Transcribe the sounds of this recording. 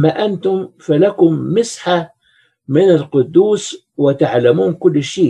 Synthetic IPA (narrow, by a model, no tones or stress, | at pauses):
mːaʔant̪ʊmfalakʊmːɪsħa | mɪnɪlqʊd̪ːuːs | wɪt̪aʕlamuːnkʊlːʃeː